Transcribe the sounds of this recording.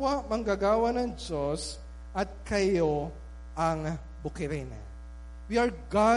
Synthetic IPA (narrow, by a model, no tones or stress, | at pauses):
wamɐŋɡaɡaːwɐnɐŋd͡ʒos | ʔɐt̪̚kɐjo | ʔɐŋ | bʊkɪɾɛnɐ̰ | wiɐɹɡa